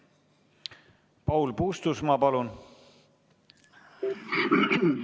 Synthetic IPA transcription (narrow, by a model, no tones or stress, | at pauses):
pɑwlpuːst̪usmɑpɑlun